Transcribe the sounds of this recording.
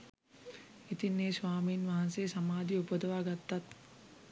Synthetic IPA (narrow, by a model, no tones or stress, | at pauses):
it̪inːeːsʋaːmiːnʋaɦanseːsamaːd̪iupod̪əʋaːɡat̪ːat̪